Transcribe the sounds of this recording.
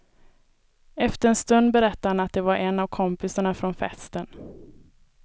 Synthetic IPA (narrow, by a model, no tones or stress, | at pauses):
ɛft̪əɾɛnst̪ɵnd̪bɛɾɛt̪ːahanat̪̚d̪ɛvaɾʔɛnːavkʰɔmpɪsaɳafɾɔnfɛ̰st̪ən